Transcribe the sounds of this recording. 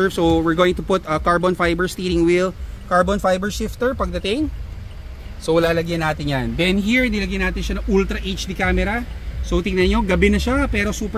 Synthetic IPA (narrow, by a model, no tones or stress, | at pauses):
ɛɹvsowɪɹɡoːwɪŋt̪ʊpʊt̪ɐkaɹbonfajbɛɹst̪iːɾɪŋwilkaɹbonfajbɛɹsɪft̪ɛɹpɐɡ̚d̪ɐt̪ɪŋ | sowlaːlɐɡjɐnːaːt̪ɪnjand̪ɛnɦiɹd̪ɪlɐɡɐjnaːt̪ɪnʃɐnɐŋʔult̪ɾɐʔejt͡ʃd̪ikaːmɛɾɐsowt̪ɪŋnɐɲo̞ɡɐbɛnɐʃapɛːɾosuːpɛ